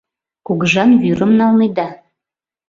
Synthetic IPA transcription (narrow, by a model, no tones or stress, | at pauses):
kuɣəʒɑnβyɾəmnɑlˠned̪ɑ